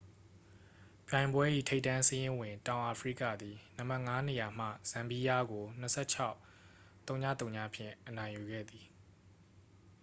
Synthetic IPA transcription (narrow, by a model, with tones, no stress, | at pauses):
pjã˨ɪ̃mbwɛ˦ʔḭ˦˨tʰe˦ɪtːã˦səjɪ̃˦wɪ̃˨ntã˨ʊ̃ʔa˨pʰɹi˦˨kä̰˦˨d̪i˨nã˨mba˦ʔŋa˦ne˨ja˨m̥a̰˦˨z̥ã˨mbi˦ja˦˨ɡo˨n̥əsʰɛ̰˦˨t͡ɕʰa˦ʊʔ | t̪õ˦ʊ̃ɲa̰˦˨t̪õ˦˨ɲä̰˦˨pʰjɪ̰̃˦˨ʔənã˨ɪ̃ju˨ɡɛ̰˦˨d̪i˨